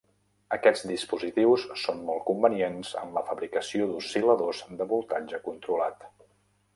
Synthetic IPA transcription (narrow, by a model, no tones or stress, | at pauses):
əkɛd͡zd̪ispuzit̪iwssonmɔlˠkumbənienz̥ə̰mləfəβɾikəsioðusiləðozd̪əβulˠt̪aɲd͡ʒəkunt̪ɾulat̪